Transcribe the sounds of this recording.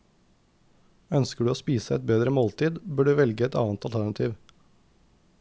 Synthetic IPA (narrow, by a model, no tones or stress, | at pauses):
œnskəɖʉːoːspiːsəɛt̪̚beːd̪ɾəmoːlt̪ʰiːd̪bøːɖʉːʋɛlɡəɛt̪ɑ̰ːnt̪ɑlt̪ʰæɳɑt̪ʰiːʋ